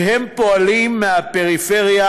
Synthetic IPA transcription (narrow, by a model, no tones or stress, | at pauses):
ɦempoalimːeapeʁifeʁia